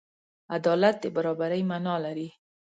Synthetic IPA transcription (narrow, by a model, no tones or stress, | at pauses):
ad̪ɑlat̪̚d̪əbaɾɑbaɾəjmanɑlaɾi